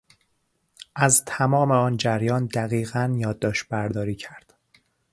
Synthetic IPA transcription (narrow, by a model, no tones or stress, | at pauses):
ʔæzt̪ʰæmɒːmeɒːnd͡ʒæɾjɒːnd̪æɣiːɣænjɒːd̪ːɒːʃbæɾd̪ɒːɾiːcʰæɾd̪̥